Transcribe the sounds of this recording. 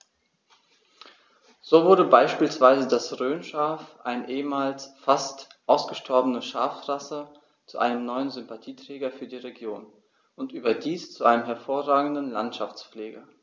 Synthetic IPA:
z̥oːvʊɐɾəbaɪʃpiːlsv̥aɪzədasʁøːnʃaːfʔa̰ɪnʔeːəmaːlsfastʔaʊsɡ̥əʃtʰɔɐbənəʃaːfʁasə | t͡suʔa̰ɪnəmnɔʏənzʏmpatʰiːtʁ̥ɛːɡɐfyːɐdiːʁeɡjoːn | ʔʊntʔyːbɐdiːst͡suʔaɪnəmɦɛɐfoːɐʁaːɡŋ̩dn̩la̰ntʃaft͡sleːɡɐ

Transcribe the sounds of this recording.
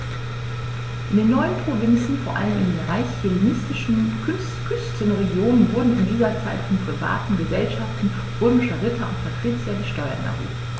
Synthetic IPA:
ʔɪndeːnːɔʏənpʁ̥ovɪnt͡sn̩foːɐʔa̰ləmɪ̰ndeːnʁaɪçelnɪstɪʃn̩ | kʰʏstʰənʁeɡjoːnənvʊɐdn̩ɪndiːzɐt͡saɪtfɔnpʁ̥iva̰ːtn̩ɡəzɛlʃaftn̩ | pʊɐmɪʃəʁɪtʰɐʊ̰ntfɛɐtʁ̥ɪːt͡sjɐɡəʃtɔʏɐ̰nʔɛ̰vo̰ː

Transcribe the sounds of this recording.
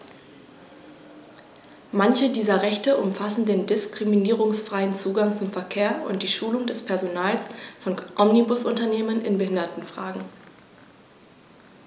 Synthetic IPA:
mançədiːzɐʁɛçtəʔʊmfasn̩deːndɪskʁ̥iminiːʁ̞ʊŋsfʁ̥aɪənt͡suːɡaŋt͡sʊmfɛɐkʰeːɐʔʊ̰ntd̥iːʃuːlʊŋdɛspʰɛɐzonaːlsfɔnʔɔmnibʊsʔʊntɐneːmənɪ̰nbəhɪndɐtn̩fʁ̥aːɡŋ̩

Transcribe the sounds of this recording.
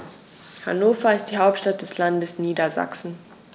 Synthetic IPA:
ha̰noːfɐɪst̚d̥iːɦaʊp̚tʃtat̚d̥ɛslandəsniːdɐza̰ksn̩

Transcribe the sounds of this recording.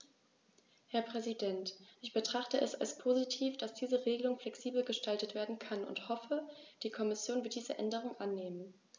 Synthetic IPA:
hɛɐpʁ̥ɛzidɛntʔɪçb̥ətʁ̥aχtəʔɛsalspʰoːzitʰiːfd̥asd̥iːzəʁeːɡəlʊŋflɛksiːbl̩ɡəʃtaltətv̥eːɐdn̩kʰanʊ̰nthɔfəd̥iːkʰɔmɪsjoːnvɪɐt̚d̥iːzə̰ʔɛndəʁ̞ʊŋʔanːeːmən

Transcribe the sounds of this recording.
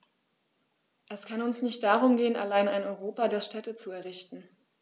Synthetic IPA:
ʔɛskʰanʊnsnɪçt̚d̥aʁ̞ʊmɡeːəna̰laɪnaɪnɔʏʁoːpadeːɐʃtʰɛtət͡suɛɐʁɪçtn̩

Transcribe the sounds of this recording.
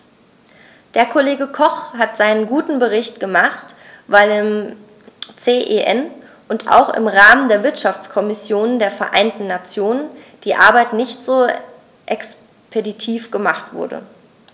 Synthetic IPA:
d̥eːɐkʰoleːɡəkʰɔχhatz̥aɪnənɡuːtn̩bəʁ̞ɪçtɡ̥əmaχt | vaɪlɪm | t͡seːʔeʔɛn | ʔʊntʰa̰ʊxɪ̰mʁaːməndeːɐvɪɐtʃaft͡skʰɔmɪsjoːnəndeːɐfɛɐʔa̰ɪntn̩ːat͡sjoːnənd̥iːʔa̰ɐbaɪtnɪçtz̥oː | ʔɛks | pʰeditʰiːfɡ̥əmaχtv̥ʊ̰ɐdə̰

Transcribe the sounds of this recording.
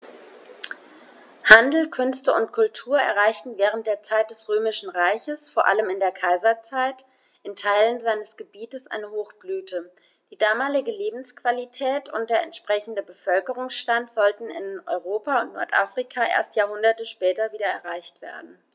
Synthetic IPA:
handl̩kʰʏnstəʊntkʰʊltʰuːɐɛ̰ɐʁaɪçtn̩vɛːʁ̞ənt̚d̥eːɐt͡saɪt̚d̥ɛsʁøːmɪʃn̩ʁaɪçəsfoːɐʔa̰ləmɪndeːɐkʰaɪzɐt͡saɪt | ʔɪntʰaɪlənzaɪnəsɡ̥əbiːtəsʔa̰ɪnəhoːxb̥lyːtʰə | d̥iːdaːmaːlɪɡəleːbm̩skv̥alitʰɛːtʰʊnt̚d̥eːɐɛntʃpʁ̥ɛçn̩dəbəfœlkəʁ̞ʊŋsʃtantz̥ɔltn̩ɪ̰nʔɔ̰ʏʁoːpaʊntnɔ̰ɐtʔa̰ːfʁ̥ikʰaʔḛːɐstjaːɐhʊndɐtəʃpɛːtɐviːdɐɛɐʁaɪçtv̥ḛːɐdn̩

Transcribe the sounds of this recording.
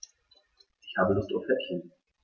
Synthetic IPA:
ʔɪçhaːbəlʊstufɛɐkʰi

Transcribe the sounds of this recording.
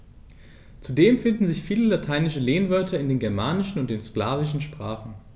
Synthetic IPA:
t͡sudeːmfɪndn̩zɪçfiːləlatʰaɪnɪʃəleːnvœɐtʰɐɪndeːnɡɛɐmaːnɪʃn̩ʊntd̥eːnsklaːvɪʃn̩ʃpʁ̥aːχn̩

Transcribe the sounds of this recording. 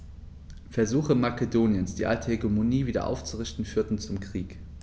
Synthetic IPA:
fɛɐzuːxəmakedoːnjənsd̥ḭːʔa̰ltʰəhɛɡomoniːviːdɐ̰ʔa̰ʊft͡suʁɪçtn̩fyːɐtn̩t͡sʊmkʁ̥iːk

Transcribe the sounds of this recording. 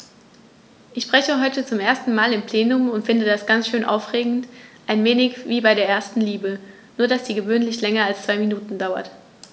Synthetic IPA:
ʔɪçʃb̥ʁ̥ɛçəɦɔʏtət͡sʊmʔeːɐstn̩maːlɪmpl̥eːnʊmʊntfɪndədasɡ̥ant͡sʃøːnʔa̰ʊfʁ̥eːɡŋ̩tʔaɪnveːnɪçviːbaɪɾeːɐʔeːɐstn̩liːbə | nuːɐdasd̥iːɡəvøːnlɪçlɛŋɐalst͡sv̥aɪminuːtn̩daʊɐ̰t

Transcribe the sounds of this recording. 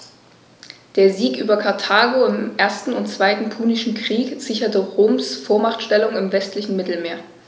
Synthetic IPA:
d̥eːɐziːkʔyːbɐkʰaɐtʰaːɡoɪmʔeːɐstn̩ʊntt͡sv̥aɪtn̩pʰuːnɪʃn̩kʁ̥iːkz̥ɪçɐtəʁoːmsfoːɐmaχtʃtɛlʊŋɪmvɛstlɪçn̩mɪtl̩meːɐ

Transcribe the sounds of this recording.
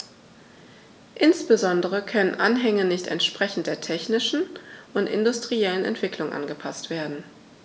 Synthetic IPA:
ʔɪnsb̥əzɔndəʁəkʰœnənʔanɦɛŋənɪçtɛ̰ntʃpʁ̥ɛçn̩t̚d̥eːɐtʰɛçnɪʃn̩ʔʊntɪ̰ndʊstʁ̥iɛlənɛ̰ntv̥ɪklʊŋʔa̰nɡəpʰastv̥eːɐdn̩

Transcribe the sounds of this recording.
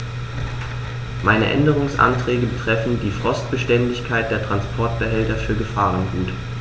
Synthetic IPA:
maɪnə̰ʔɛ̰ndəʁ̞ʊŋsʔa̰ntʁ̥ɛːɡəbətʁ̥ɛfn̩diːfʁ̥ɔst̚b̥əʃtɛndɪçkʰaɪt̚d̥eːɐtʁ̥anspʰɔɐt̚b̥əɦɛltɐfyːɐɡəfaːʁ̞ənɡuːt

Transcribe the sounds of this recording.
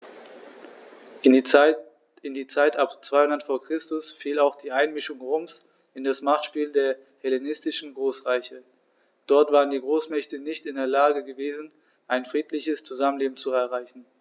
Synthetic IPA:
ɪndiːt͡saɪtapt͡sv̥aɪhʊnɐtfoːɐkʁ̥ɪstʊsfiːlaʊxd̥iːʔaɪnmɪʃʊŋʁoːms | ɪndasmaχtʃpiːldeːɐ | hɛlenɪstɪʃn̩ɡʁoːsʁaɪçə | d̥ɔɐtv̥aːʁəndiːɡʁoːsmɛçtənɪçtɪndeːɐlaːɡəɡəveːzn̩ | ʔaɪnfʁ̥iːtʰlɪçəst͡suzamənleːbm̩t͡suɛɐʁaɪçn̩

